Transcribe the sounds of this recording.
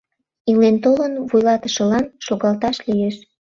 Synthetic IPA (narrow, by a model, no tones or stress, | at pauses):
ilent̪olənvujlɑt̪əʃə̆lɑnʃoɣɑlt̪ɑʃlijeʃ